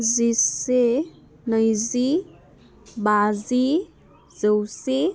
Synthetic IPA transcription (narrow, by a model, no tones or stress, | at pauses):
zisse | nəjzi | bazi | zəwse